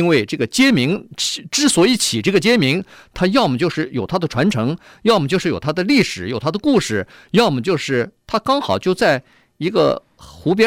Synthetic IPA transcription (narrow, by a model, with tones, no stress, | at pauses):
nwe˥˧ɪʈ͡ʂɤ˥˩ɡə˩t͡ɕjɛ˥mi˧˥ŋt͡ɕʈ͡ʂɻ̩˥swɔ˧˥i˥˩t͡ɕʰi˨˩ʈ͡ʂɤ˥˩ɡə˩t͡ɕjɛ˥mi˧˥ŋt̪ʰa˥jɑ˥˩ʊmə˩t͡ɕjo˥˧ʊʂɻ̩˥˩jo˨˩ʊt̪ʰa˥d̪ə˨ʈ͡ʂʰwa˧˥nʈ͡ʂʰɤ˧˥ŋ | jɑ˥˩ʊmə˩t͡ɕjo˥˧ʊʂɻ̩˥˩jo˨˩t̪ʰa˥d̪ə˧li˥˩ʂɻ̩˨˩˦jo˨˩ʊt̪ʰa˥d̪ə˧ku˥˧ʂɻ̩˥˩ | jɑ˥˩ʊmə˩t͡ɕjo˥˧ʊʂɻ̩˥˩t̪ʰa˥kɑ˥ŋxɑ˨˩ʊt͡ɕjo˥˧ʊt͡sa˥˩ɪ | i˧˥ɡə̰˧ | xu˧˥p̬jɛ˥